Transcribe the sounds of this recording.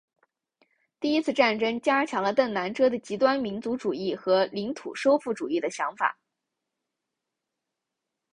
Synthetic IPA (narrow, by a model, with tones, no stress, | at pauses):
t̪i˥˩i˥t͡sʰɹ̩˥˧ʈ͡ʂa˥˩nʈ͡ʂɤ˥ŋt͡ɕja˥t͡ɕʰjɑ˧˥ŋlə˧t̪ə˥˩ŋna˧˥nʈ͡ʂʰɤ˥d̪ə˨t͡ɕi˧˥t̪wa˥nmi˧˥nt͡su˧˥ʈ͡ʂu˨˩i˥˩xɤ˧˥li˧˥ŋt̪ʰṵ˨˩ʂo˥ʊfu˥˩ʈ͡ʂu˨˩i˥˩d̪ə˩ɕjɑ˧˥ŋfa̰˨˩˦